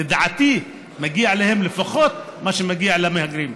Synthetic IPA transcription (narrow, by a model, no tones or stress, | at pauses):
ɪd̪ʕat̪iː | mæɡiːʕaleːhɪmlɪfaxɔːt̪̚maʃmæɡiːʕalæmehaɡɾiːm